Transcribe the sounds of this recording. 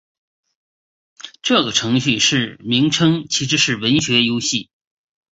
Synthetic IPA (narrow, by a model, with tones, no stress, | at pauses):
ʈ͡ʂɤ˥˩ɡə˩ʈ͡ʂʰɤ˧˥ŋɕy˥˧ʂɻ̩˥˩mi˧˥ŋʈ͡ʂʰɤ˥ŋt͡ɕʰi˧˥ʂɻ̩˥ʂɻ̩˥˩wə˧˥nɕɥɛ˧˥jo˥ʊɕi˥˩